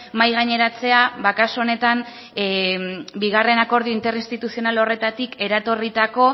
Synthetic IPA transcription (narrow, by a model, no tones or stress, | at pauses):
majɣ̞aɲe̞ɾat͡se̞aβakasoone̞t̪am | biɣ̞are̞nako̞ɾð̞ioint̪e̞ɾinst̪it̪usio̞nalo̞re̞t̪at̪ike̞ɾat̪o̞rit̪ako̞